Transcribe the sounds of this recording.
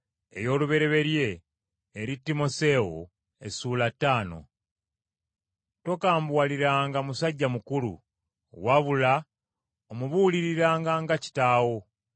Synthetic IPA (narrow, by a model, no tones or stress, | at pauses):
e̞̰jo̞ːluβe̞ɾe̞βe̞ɾje̞ː | ɾitːimo̞se̞o̰ | e̞̰suːlatːaːno̞̰ | to̞kaːmbwaliɾaːŋɡamusaɟːamukulṵ | waβula | omuβuliɾiɾaːŋɡaŋɡaci̥taːwo̞